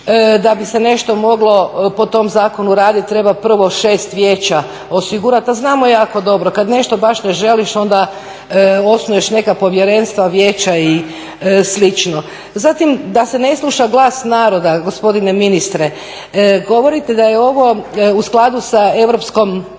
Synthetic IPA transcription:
d̪abisene̞ʃt̪o̞mo̞ɡlˠo̞po̞t̪o̞mzaːko̞nuɾaːd̪it̪̚t̪ːɾe̞bapr̩ʋo̞ʃe̞ːst̪ʋjeːt͡ɕa | osiɡuɾat̪aznaːmojaːko̞d̪o̞bɾokad̪ne̞ʃt̪o̞baʃneʒe̞liʃo̞nd̪a | o̞snuje̞ʃne̞kapo̞ʋjeɾe̞nst̪ʋaʋje̞ːt͡ɕai | slit͡ʃno | zat̪imd̪ase̞ne̞slˠuʃaɡlˠaːsnaːɾo̞d̪aɡospo̞d̪ineminist̪ɾe | ɡo̞ʋo̞ɾit̪ed̪ajeo̞ʋo̞usklˠad̪usae̞ʋɾo̞psko̞m

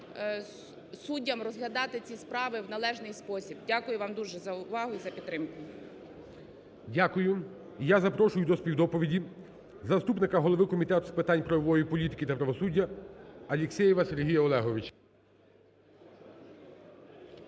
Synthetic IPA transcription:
sudʲːɐmrɔzɦlʲɐd̪ɑt̪ɪt͡sʲispɾɑʋɪwnɐlˠɛʒnɪjspɔsʲibdʲakʊjʊʋɑmd̪uʒɛzɐʊʋɑɦʊizɐpʲit̪ːɾɪmkʊ | dʲakʊjʊ | jazɐpɾɔʃʊjʊd̪ɔspʲiwd̪ɔpɔʋʲidʲi | zɐst̪upnɪkɐɦɔlˠɔʋɪkɔmʲit̪ɛt̪ʊspɪt̪ɑnʲpɾɔjɔʋɔjipɔlʲit̪ɪ̥kʲit̪ɐpɾɐʋɔsudʲːɐɐlʲɪksʲɛjɛʋɐseɾɦijɐɔlˠɛɦɔʋʲɪt͡ʃ

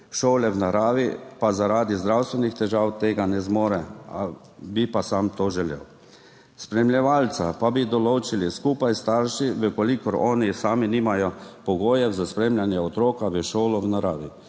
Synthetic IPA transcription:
ʃoːlɛwnaɾaːʋipazaɾaːd̪izd̪ɾawst̪ʋɛnixt̪ɛʒaːwt̪eːɡanɛzmoːɾɛa̰ | bipasamt̪oːʒɛljɛ̰w | spɾɛmljɛʋaːlt̪sapabid̪ɔloːt͡ʃiliskuːpajst̪aɾʃiʋəkɔlikɔɾɔːnisaːminiːmajɔpɔɡoːjɛwzaspɾeːmljanjɛɔt̪ɾoːkaʋəʃoːlɔwnaɾaːʋi

